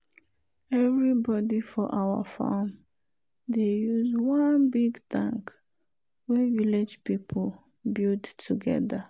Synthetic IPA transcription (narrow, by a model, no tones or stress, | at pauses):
ɛvɹibɔdifɔʔawa̰fa̰m | dejuzwãnbiɡtã̰ŋk | wɛviled͡ʒpipʰl | bildtuɡɛ̰ða